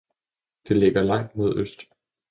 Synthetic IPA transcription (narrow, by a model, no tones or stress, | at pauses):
d̥e̝le̝ɡ̥ɐlɑ̈ŋ̰d̥mo̝ð̞̰ˠøsd̥